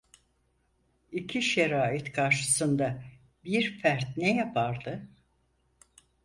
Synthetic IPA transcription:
icʰiʃeɾaːit̪kʰaɾʃɯ̥sɯnd̪a | biɾfæɾt̪nɛjapʰaɾd̪ɯ

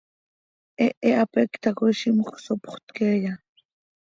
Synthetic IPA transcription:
ʔeʔeʔapekt̪akojʃimuχsopχt̪keːja

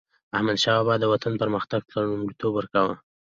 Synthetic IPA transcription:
ahmad̪ʃɑbɑd̪ːəwat̪anpəɾməxt̪aɡ̚pəɳumɽit̪obwəɾkawə

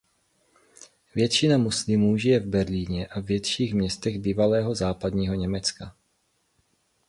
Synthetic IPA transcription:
vjɛt̪t͡ʃɪnamuslɪmuːʒɪjɛvbɛɾliːɲɛʔavvjɛt̪ʃiːɣmɲɛst̪ɛɣbiːvalɛːɦo̞zaːpad̪ɲiːɦo̞ɲɛmɛt͡ska

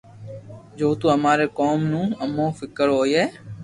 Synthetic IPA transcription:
d͡ʒoːt̪ũːəmaːɾeːkoːmnũːəmõːfɪkəɾɦoːjeː

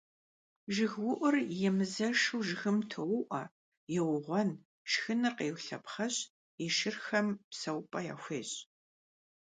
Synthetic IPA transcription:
ʒɪɣwʊʔʷʊrjɛmɨzɐʃuwʒɪxɨmtʰɨwʊʔʷɐ | jɛwʊʁʷɔn | ʂxɨnɨqeːwɬɐpχɐɕ | iʃɪrxɐmpsɐwpʼɐja̰ːxʷeːɕʼ

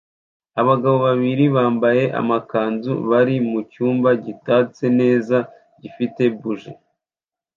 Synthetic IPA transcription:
aβaɡaβo̞βaβiɾiβaːmbaje̞ʔa̰makaːnzṵβaɾimucuːmbaɟitaːt͡se̞ne̞ːza | ɟifite̞buʒe

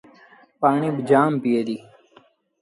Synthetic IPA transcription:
paːɳiːbd͡ʒaːmpijeːd̪iː

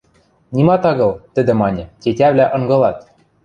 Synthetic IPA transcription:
nʲimɑt̪ɑɣɤ̆lˠt̪ɘ̆d̪ɘ̆mɑnʲɤ̆tʲetʲæβlʲæʔɤ̆ŋɡɤ̆lˠɑt̪

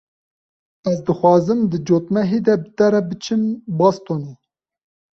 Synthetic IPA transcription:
ɛzd̪ɨxʷɑːzɨmd̪ɨd͡ʒoːt̪mɛɦed̪ɛbɨt̪ɛɾɛbɨt͡ʃʰɨmbɑst̪oːni

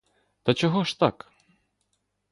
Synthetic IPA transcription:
t̪ɐt͡ʃɔɦɔʃt̪ak

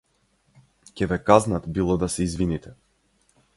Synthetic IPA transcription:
cʲɛvɛkaznat̪bilˠɔd̪asɛizvinit̪ɛ

